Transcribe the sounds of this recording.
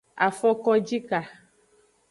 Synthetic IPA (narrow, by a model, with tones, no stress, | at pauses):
a̰˨fɔ˦kɔ˦d͡ʒi˦ka˨